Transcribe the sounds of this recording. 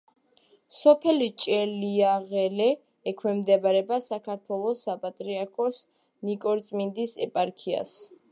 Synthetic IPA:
sɔpʰɛlit͡ʃʼɛliaʁɛlɛː | kʰwɛmd̪ɛbaɾɛbasakʰaɾt̪ʰwɛlˠɔsapʼat̪ʼɾiaɾkʰɔs | nikʼɔɾt̪sʼmind̪isɛ̰pʼaɾkʰia̰s

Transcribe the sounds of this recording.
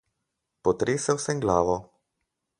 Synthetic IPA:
pɔt̪ɾeːsɛwsɛŋɡlaːʋɔ

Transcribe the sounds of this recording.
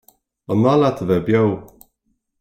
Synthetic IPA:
ənɔlat̪ʰəvɛbjow

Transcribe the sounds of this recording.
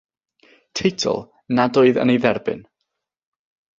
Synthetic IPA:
tʰejtʰɔ̰lˠ | nadoːɨðə̰nejðɛrbɨ̰n

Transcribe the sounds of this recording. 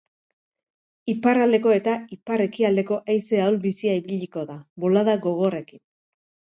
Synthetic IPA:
iparald̪e̞ko̞e̞t̪aipare̞kiald̪e̞ko̞ʔajse̞aolbisiaiβiʎiko̞ðaβo̞laðaɡo̞ɣ̞o̞re̞kin

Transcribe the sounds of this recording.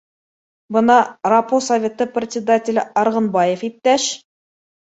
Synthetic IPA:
bɤnɑraposɐvʲet̪ɤprʲɪt̪ʲsʲɪd̪atʲɪlʲɘɑɾʁɤ̆nbɑjefip̚t̪æʃ

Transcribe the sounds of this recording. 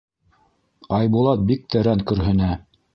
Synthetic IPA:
ɑjbulˠɑt̪̚bik̚t̪ɘ̆ɾæŋkɵ̆ɾɦɵ̆næ

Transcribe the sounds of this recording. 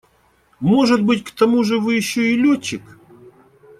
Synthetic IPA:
moʐɨt̪̚bɨtʲkt̪ɐmuʐɨvɨjɪɕːoɪlʲot͡ɕːɪk

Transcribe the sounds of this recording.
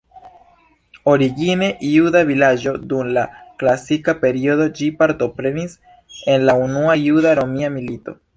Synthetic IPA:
o̞ɾiɡine̞judavilad͡ʒo̞dumlaklasikape̞ɾio̞do̞d͡ʒipaɾto̞pɾe̞nis | e̞nlaunuajudaɾo̞miamilito̞̰

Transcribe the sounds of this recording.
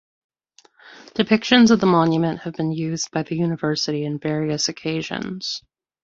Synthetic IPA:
d̥ɨpʰɪkʃɨ̃nzʌvðəmɑ̃njɨmɨ̃nʔhɨvbɨ̃njʉzbaɪðɨjʉnɨvɜ˞sɨɾiɨ̃nvɛɹiɨsɨkʰeɪʒɨ̰̃nz̥

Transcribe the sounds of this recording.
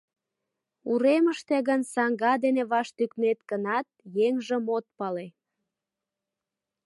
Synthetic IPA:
uɾeməʃt̪eɣənsɑŋɡɑd̪eneβɑʃt̪yknet̪kənɑt̪̚jeŋʒəmot̪̚pɑle

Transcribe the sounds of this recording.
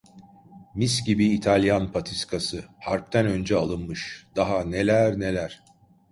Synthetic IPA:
miscibiːt̪ʰalʲjanpʰat̪ʰiskʰasɯhaɾp̚t̪ʰænø̞nd͡ʒɛalˠɯnmɯʃd̪aɦane̞lʲæɾne̞lʲæɾ̥

